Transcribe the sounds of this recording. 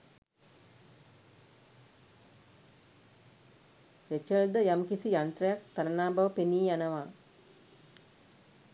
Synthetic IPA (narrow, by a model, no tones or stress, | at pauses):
ɾet͡ʃəld̪əjamkisijant̪rəjak̚t̪aɾənaːbɐʋəpeniːjanəʋaː